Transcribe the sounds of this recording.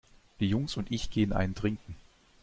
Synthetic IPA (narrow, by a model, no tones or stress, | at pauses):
d̥iːjʊŋsʊntʔɪçɡ̥eːənʔa̰ɪntʁ̥ɪŋkŋ̩